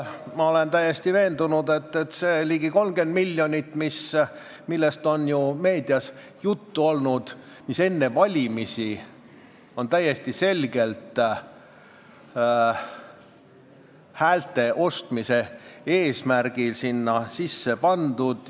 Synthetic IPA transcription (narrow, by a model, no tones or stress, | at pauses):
mɑo̞le̞nt̪æjest̪ive̞ːnd̪unud̪e̞t̪ːet̪se̞ːliːɡ̥iko̞lmɡ̥e̞nd̪̥milʲːjo̞nʲit̪ːˑmis | milːest̪o̞njume̞ːd̪ijɑs | jut̪ːuo̞lnud̪̥ | mise̞nːe̞vɑlʲimisi | o̞nt̪æje̞st̪ise̞lɡe̞lt̪ˑ | hæːlt̪e̞ʔo̞st̪mise̞e̞ːsmærɡ̥ilsinːɑsisːe̞pɑnd̪ud̪̥